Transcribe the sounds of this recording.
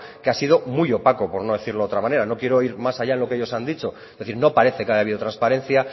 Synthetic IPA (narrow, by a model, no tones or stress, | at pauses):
keasið̞o̞mujo̞pakopo̞ɾno̞ðe̞θiɾloot̪ɾamane̞ɾano̞kje̞ɾo̞iɾmasaʎaenlo̞keeʎo̞sand̪it͡ʃo̞ | eθiɾno̞paɾe̞θe̞keajaβiðo̞t̪ɾanspaɾẽ̞nθja